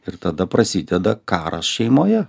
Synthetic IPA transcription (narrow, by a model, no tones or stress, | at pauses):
ɪɾt̪ɐd̪ɐpɾɐsʲɪd̪ʲɛd̪ɐkɑːɾɐ̰sʃʲɛɪmoːjɛ